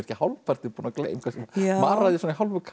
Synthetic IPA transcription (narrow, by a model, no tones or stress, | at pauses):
ɾɛ̥cɪhawlpʰar̥t̪ɪpunaklḛːjmkʰvɛsɛmmaːɾɾaðɪsɔnɪɦawlvʏkʰ